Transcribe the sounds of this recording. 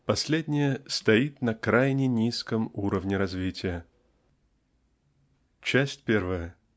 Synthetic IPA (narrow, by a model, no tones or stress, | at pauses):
pɐsʲlʲedʲnʲɪjəst̪ɐit̪nɐkɾajnʲɪnʲiskəmuɾəvnʲɪɾɐzvʲitʲɪjə | t͡ɕæsʲtʲpʲe̞rvəjə